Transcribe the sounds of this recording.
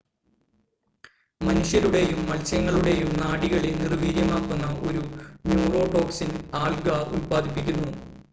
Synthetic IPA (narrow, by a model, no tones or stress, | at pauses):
mɐnuʂjɐɾuɽe̞jumːɐlsjɐŋːɐɭuɽe̞jumnaːɽiɣɐɭinirʋiːɾjɐmaːkːunːɐʔo̞ɾunjuːro̞ːʈo̞ːksinaːɭɡɐṵlpaːd̪ʱipːikʲːunːu